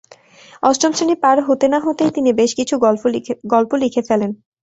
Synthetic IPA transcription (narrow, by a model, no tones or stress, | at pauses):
ɔsʈɾomʃenipaɾɦot̪enaɦot̪ejt̪inibeʃkit͡ɕʰuɡɔlpolikʰefelen